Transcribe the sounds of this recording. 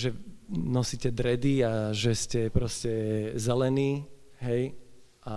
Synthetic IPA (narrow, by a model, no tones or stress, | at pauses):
ʒɛnɔsiːcɛd̪ɾɛd̪iaʒɛscɛpɾɔscɛzɛlɛniː | ɦɛj | ʔa